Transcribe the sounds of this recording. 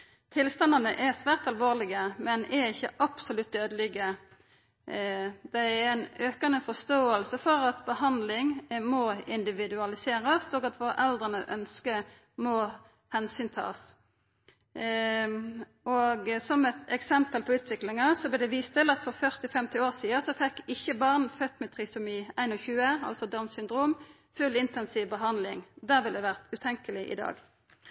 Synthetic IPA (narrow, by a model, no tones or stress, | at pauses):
t̪ʰɪlst̪ɑnɑnəʔɛʁsʋæːʁt̪ɑlʋoːʁlɪɡəmɛnɛɾɪçːəʔɑpsʊlʉt̪̚d̪øːd̪əlɪɡə | d̪̥ɛæɛnøːkɑnəfɔst̪oːəlsəfɔʁɑt̪bəhɑnd̪lɪŋmɔɪnd̪ɪʋɪd̪ʉɑlɪseːʁəsoːɡɑt̪ʋoːʁəʔɛld̪ʁənəʔœnskə | mɔ | hɛnsyːnt̪ʰɑ̰ːs | ɔɡsɔmɛt̪ɛksɛmpəlpʰɔʉːt̪ʰʋɪklɪŋɑsɔblɛd̪ɛʋiːst̪ʰɪlɑt̪fɔʁfœʁt̪ɪfɛmt̪ɪoːsiːəsɔfɛkːɪçːəbɑʁnfœt̪ːmɛt̪ʰʁɪsʊmiːæɪnɔçʉːəɑ̰lsɔd̪ɑmsʏnd̪ʁuːm | fʉlɪnt̪ɛnsiːʋbəɦɑnd̪lɪŋd̪æːʁʋɪld̪ɛʋæʁt̪ʉt̪ʰɛŋkəlɪʔɪ̰d̪ɑ̰ːɡ